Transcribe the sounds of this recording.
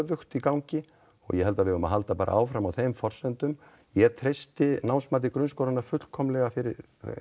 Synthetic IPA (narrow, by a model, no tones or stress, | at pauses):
ðʏxt̪ikawɲcɪ | ɔ̰ɣjɛhɛlt̪avɪðʏma̰ɦalt̪apaːɾa̰ʔa̰ːwfɾamawθejmfɔr̥sɛnt̪ʏm | jɛt̪ʰɾejst̪ɪnawnsmaːt̪̬ɪkɾʏns̬kowɾanːaɾfʏt̪l̥kʰɔmlɛɣafɪɾɪɾ